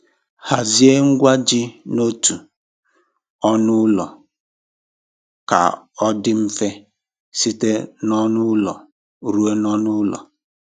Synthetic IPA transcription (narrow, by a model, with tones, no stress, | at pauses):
ha˨zi˦e˦ŋ̩˦ɡʷa˦d͡ʒɪ˦no˦tu˨ | ɔ˦nʊ˦lɔ̰˨ | ka̰˨ɔ˦dɪ˦m̩˦fe˦ | si˦te˦nɔ˦nʊ˦lɔ˨ | ɾu˦e˦nɔ˦nʊ˦lɔ̰˨